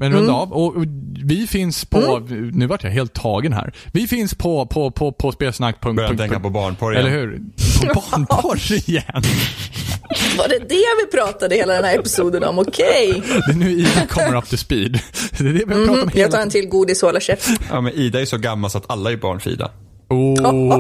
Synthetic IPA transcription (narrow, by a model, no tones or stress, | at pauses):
mɛnɾɵnd̪aɑːvɔɔvɪfɪnspʰɔnʉ̟ːvaʈʰja̰ɦeːlt̪ʰːɑːɡənɦæ̰ːɾvɪfɪnspʰɔpʰɔpʰɔpʰɔspeːlsnakːpʰɵŋkœjakt̪ɛŋkːapʰɔbɑːɳpʰɔɾɛlːəɾɦʉ̟ːɾpʰɔbɑːɳpʰɔɪjɛn | vaɖɛd̪ɛvɪpʰɾɑːt̪ad̪əheːlad̪ɛnhæːɾɛpɪ̥suːd̪ənɔ̰mɔkʰɛjd̪ɛnʉ̟ːiːd̪akʰɔmːəɾaft̪ɪspiːd̪d̪ɛːd̪ɛvɪpɑːt̪mɛatlɑːɾɛnt̪ʰɪlɡuːd̪ɪsoːlaɕɛfja̰ːmɛniːd̪aɛɾjsɔɡamːalsat̪ʰalːajəbɑ̰ːɳfḭːd̪a̰ | u